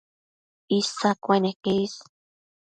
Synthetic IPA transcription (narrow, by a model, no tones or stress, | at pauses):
isakʷenekeis